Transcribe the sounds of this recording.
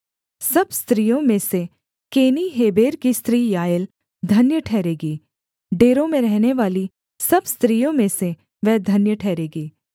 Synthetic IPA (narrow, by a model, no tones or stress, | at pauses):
sɐbst̪ɾijõmẽse | keːniɦeːbeːɾkist̪ɾiːjaːjəl | d̪ʱɐnjəʈʰɛːɾeːɡiː | ɖeːɾõmẽɾɛɦneʋaːli | sɐbst̪ɾiːjõmẽse | ʋɛɦd̪ʱɐnjəʈʰɛːɾeːɡiː